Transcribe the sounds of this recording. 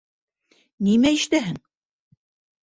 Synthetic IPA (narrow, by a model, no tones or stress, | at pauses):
nimæɘʃt̪æɦɘŋ